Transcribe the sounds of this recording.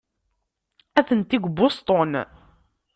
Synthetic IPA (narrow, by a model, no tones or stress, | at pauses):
æθənt̪iɡʷbost̪ˤon